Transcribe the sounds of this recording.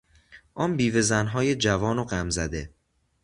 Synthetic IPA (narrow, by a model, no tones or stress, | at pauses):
ʔɒnbiːve̞zænɦɒːje̞d͡ʒævɒːnoɢæmzæd̪e̞